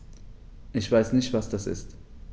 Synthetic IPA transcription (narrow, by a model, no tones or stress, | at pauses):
ʔɪçv̥aɪsnɪçtv̥asd̥asɪ̰st